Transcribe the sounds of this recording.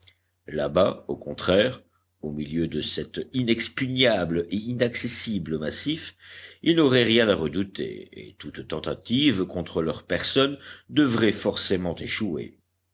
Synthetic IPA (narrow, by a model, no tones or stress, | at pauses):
la̰baokɔ̃t̪χɛʁ | omiljød̪əsɛt̪inɛkspyɲableinaksesibləmasifilnɔʁɛʁjɛ̃naʁəd̪ut̪ʰḛḛt̪ut̪t̪ɑ̃t̪at̪ivkɔ̃t̪χəlœʁpɛʁsɔnd̪əvʁɛfɔʁsemɑ̃t̪eʃuḛ